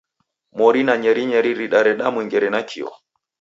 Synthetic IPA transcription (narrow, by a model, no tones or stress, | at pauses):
mɔɾinaɲɛɾiɲɛɾiɾiɗaɾɛɗamwiŋɡɛɾɛnakʰḭɔ̰